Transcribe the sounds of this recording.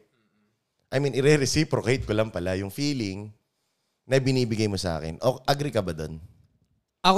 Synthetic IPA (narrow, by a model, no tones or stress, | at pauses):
ʔɐjminʔɪɾɛɾɛsipɾokejt̪̚kolɐŋpɐlajʊŋfiːlɪŋ | nɐbɪniːbɪɡajmosɐʔa̰ːkɛ̰nʔoʔɐɡɾɪkɐbɐd̪o̰n | ɐk